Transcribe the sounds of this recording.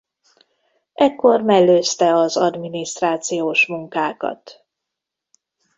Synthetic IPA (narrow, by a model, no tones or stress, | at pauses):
ʔɛkːo̞rmɛɡlːøːst̪ɛɒzɒd̪miniʃt̪raːt̪sijoːʃmuŋkaːkɒ̰t̪